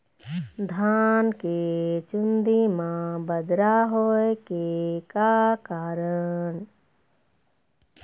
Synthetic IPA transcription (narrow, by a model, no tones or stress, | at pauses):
d̪ʱaːnket͡ʃund̪imãbəd̪ɾaɦoekekakaːɾən